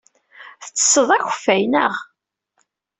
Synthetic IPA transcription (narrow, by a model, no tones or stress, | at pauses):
θət͡sːə̥sˤːəðˤæçəfːæjnəʁ